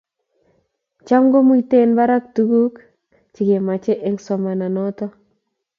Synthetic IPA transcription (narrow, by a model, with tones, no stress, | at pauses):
t͡ʃa˦mɡo˦mu˦i˦te˦nba˦ɾa˦k̚tu˦ɡu˦k | t͡ʃɪ˨ɡe˨ma˨t͡ʃe˦ʔe˦ŋsɔ˨ma˨na˨nɔ˦tɔ˦